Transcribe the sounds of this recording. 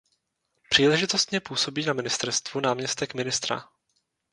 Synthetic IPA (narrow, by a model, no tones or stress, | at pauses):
pr̥iːlɛʒɪt̪o̞st̪ɲɛpuːso̞biːnamɪnɪst̪ɛɾst̪vunaːmɲɛst̪ɛkmɪnɪst̪ɾa̰